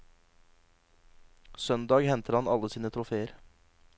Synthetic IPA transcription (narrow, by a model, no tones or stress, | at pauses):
sœnd̪ɑːɡhɛnt̪ʰəɾhɑnɑləsiːnət̪ʰɾʊfeːəɾ